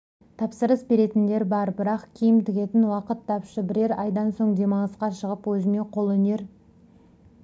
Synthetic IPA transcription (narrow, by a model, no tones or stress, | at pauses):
t̪ʰɑpsəɾəsbe̞ɾe̞t̪ɪnd̪e̞ɾbɑɾbɪɾɑqkʲʰijɪmt̪ʰɪɡʲe̞t̪ɪnwɑqət̪ːɑpʃəbɪɾe̞ɾɑjd̪ɑnso̞ɴd̪e̞mɑɴəsqɑʃəʁəpwɵzɪme̞qʰo̞lˠɵne̞ɾ